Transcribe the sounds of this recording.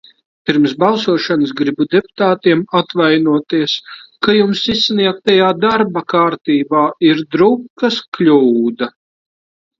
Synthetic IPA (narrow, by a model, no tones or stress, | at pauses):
piɾmsbalˠsuɔʃanəsɡɾibud̪ɛpu̥t̪aːt̪iɛmat̪vajnuɔt̪iɛskajumsisːniɛk̚t̪ajaːd̪aɾbakaɾt̪iːbaːiɾd̪ɾup̚kasklʲuːd̪a